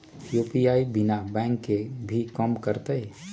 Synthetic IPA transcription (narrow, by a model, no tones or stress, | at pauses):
jupijaːibɪnabɛ̃ːŋkːebʱikəmkəɾt̪eɛ